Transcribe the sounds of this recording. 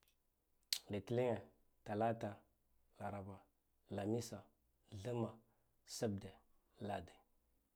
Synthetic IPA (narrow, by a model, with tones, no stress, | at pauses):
li˨ti˦li˦ŋe˨ | ta˨la˦ta˨ | la˨ɾa˨ba˨ | la˨mi˦sa˨ | ɮə˦ma˨ | sa˦b̚de˨ | la˨de˨